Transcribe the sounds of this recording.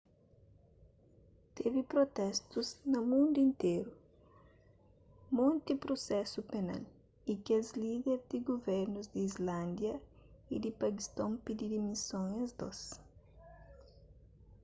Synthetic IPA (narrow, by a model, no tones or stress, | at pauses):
t̪evipɾot̪ɛst̪uznɐmũnd̪uĩnt̪eɾu | mõnt̪ipɾosɛsupena̰l | ikɐzliðeɾd̪iɡovɛɾnuzd̪iizlãnd̪jɐid̪ipɐkist̪õmpid̪id̪imisõŋɐzd̪ɔ̰s